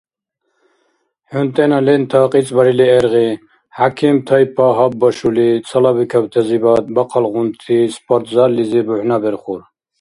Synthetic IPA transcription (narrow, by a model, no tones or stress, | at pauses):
hunt̪ʼɛnalɛnt̪ʰɑqʼit͡sʼbɐɾiliɛɾɣi | hakʰimt̪ʰɐjpʰaɦab̚bɔʃulit͡sʰɐlabikʰab̚t̪ʰɛzibat̪̚bɐqʰɑlʁunt̪ʰispʰʼɔɾt̪ʰzaɾlizibuħnabɛɾχuɾ